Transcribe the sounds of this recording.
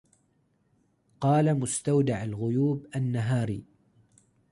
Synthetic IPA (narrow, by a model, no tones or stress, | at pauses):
qɑːlamʊst̪awd̪aʕalɣʊjuːbʔanːaɦaːɾiː